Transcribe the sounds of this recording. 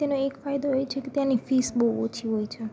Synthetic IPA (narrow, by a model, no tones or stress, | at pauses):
t̪anoekfajd̪oɦojt͡ʃʰeket̪jãnifisbouo̰t͡ʃʰiɦojt͡ʃʰe